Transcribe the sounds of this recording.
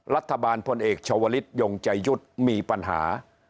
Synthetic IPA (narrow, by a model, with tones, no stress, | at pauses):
ɾa˦˥t̪ʰːa˧baː˧npʰo˧nʔeː˨˩k̚t͡ɕʰa˧waː˧li˦˥t̪̚joː˧ŋt͡ɕa˧jːu˦˥˩t̪̚miː˧pa˧nɦa̰ː˩˦